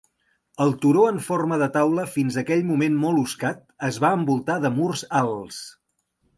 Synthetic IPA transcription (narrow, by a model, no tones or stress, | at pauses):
əlˠt̪uɾoəɱforməðət̪awləfinzəkɛʎmumenmɔlˠuskat̪̚əzβaəmbulˠt̪aðəmurzalˠs